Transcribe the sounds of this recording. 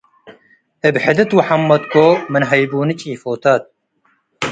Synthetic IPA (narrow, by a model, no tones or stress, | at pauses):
ɨbħɪd̪ɨt̪wʊħamːɐd̪kʰoːmɨnɦɐjbuːnɨt͡ʃʼiːfoːt̪ʰaːt̪̚